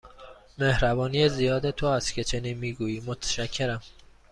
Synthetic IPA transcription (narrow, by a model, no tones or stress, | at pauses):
mehɾæbɒːnijezijɒːd̪et̪ʰoæst̪cʰe̞t͡ʃʰe̞niːnmiːɡuːjiːmot̪ʰæ̥ʃæcʰːe̞ɾæm